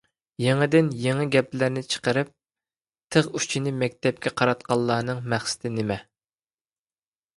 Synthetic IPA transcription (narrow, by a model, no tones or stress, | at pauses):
jeŋɪd̪ɪnjeŋɪɡʲɛplɪɾnɪt͡ʃʰə̥qəɾɨp̚ | t̪ʰəʁyt͡ʃʰinɪmɛkʲt̪ʰɛp̚kʲɛqʰɑɾɑt̪̚qʰɑlˠːɑːnɨŋmæχsɪ̥t̪ʰɪnɪmɛ